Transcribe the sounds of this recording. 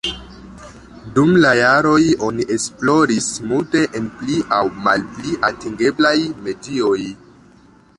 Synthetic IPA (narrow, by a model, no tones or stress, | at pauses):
dumlajaɾo̞jo̞niʔe̞splo̞ɾismulte̞ʔenpliʔawma̰lpliʔatiŋɡe̞blajme̞dio̞j